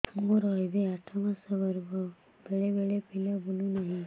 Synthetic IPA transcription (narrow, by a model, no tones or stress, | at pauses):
moɾɔɦebeaʈʰamãsəbəɾbɔ | beɭebeɭepilabulũnaɦĩ